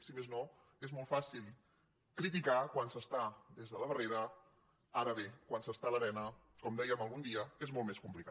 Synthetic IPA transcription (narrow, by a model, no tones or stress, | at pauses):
simezno | ezmɔlˠfasilˠ | kɾit̪ikakwansəst̪ad̪ezðələβəreɾə | aɾəβekwansəst̪aləβɛnə | kɔmd̪ɛjəməlˠɣund̪iəezmɔlˠmeskumplika